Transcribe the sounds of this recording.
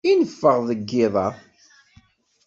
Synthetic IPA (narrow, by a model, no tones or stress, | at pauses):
inəfːəʁðəɡːɪðˤɑˤ